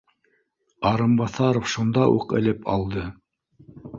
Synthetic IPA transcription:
ɑɾɤmbɑθɑɾofʃund̪ɑʔṵqɘ̰̆lɘpʰɑ̰lˠd̪ɤ

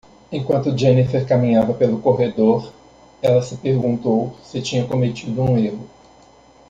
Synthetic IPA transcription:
ẽkwɐ̃nt̪ʊd͡ʒẽnifeɾkamĩɲavɐpelʊkoɦed̪oɾ | ɛlɐsɪpeɾɡũnt̪owsɪt͡ʃĩɲɐkõmet͡ʃid̪ʊũeɦʊ

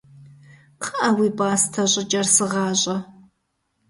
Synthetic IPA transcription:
qʰɐʔɐwiːbʼaːstʰɐɕʼɪt͡ʃʼɐrsɨʁɑːɕʼɐ

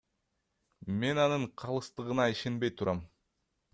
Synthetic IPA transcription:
me̞nɑnɯɴqʰɑlˠɯst̪ɯʁɯnɑiʃe̞nbe̞jt̪ʰuɾʔɑm

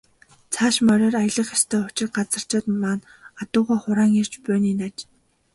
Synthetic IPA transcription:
t͡sʰaːʃmœɾʲœːrajə̆ɮə̆χast̪ʰœːʊt͡ɕɪ̆rɢat͡sə̆r̥t͡ɕɔːt̪maːn | at̪ʊːʁaːχʊɾaːŋir̥t͡ɕpœːniːnat͡ɕ

